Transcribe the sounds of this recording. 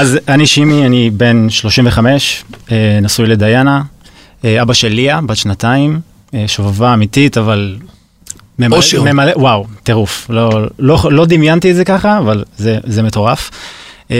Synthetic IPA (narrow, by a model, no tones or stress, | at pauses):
azaniʃimianibe̞nʃlo̞ʃimveχame̞ʃenasujle̞d̪ajana | eabaʃelːiabad̪ʃnataim | eʃovavaːmititaval | memmemalewawt̪eʁuflololo̞d̪imjant̪ietzekaχaːvalzezemeto̞ʁaf